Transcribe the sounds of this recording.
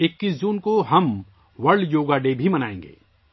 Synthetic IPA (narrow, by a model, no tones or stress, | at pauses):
ɪkːiːs̬d͡ʒuːnkoɦɐm | ʋɐɾɖjoːɡaɖeːbʱimɐnaːḛ̃ːŋɡḛː